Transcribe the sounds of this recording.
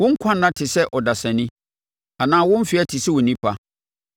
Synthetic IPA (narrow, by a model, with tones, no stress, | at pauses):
wʊ̃˦ŋ̩˦kʷʰã˦nːã˦tʰɪ˨sɛ˦ʔɔ˨da˨sã˨nĩ˦ | a˨nãː˦wʊ̃˦m˦fɪ˨˦ɛ˦tʰi˨sɛ˦wʊ˨nĩ˦pʰa˦